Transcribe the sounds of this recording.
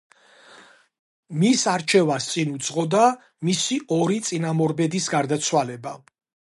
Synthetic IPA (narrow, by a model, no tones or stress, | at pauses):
misaɾt͡ʃʰɛvast̪sʼinud̪zʁɔd̪a | misiɔɾit̪sʼinamɔɾbɛd̪isɡaɾd̪at̪sʰwalɛba